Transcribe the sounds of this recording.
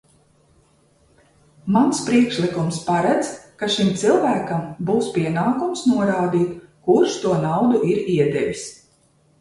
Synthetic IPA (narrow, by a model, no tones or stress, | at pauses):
manspɾiɛkʃlikumspaɾad̪zkaʃimt̪silˠvæːkambuːspʲiɛnaːkumsnuɔɾaːd̪iːt̪kuɾʃt̪uɔnawd̪uʔiɾiɛd̪ɛvʲis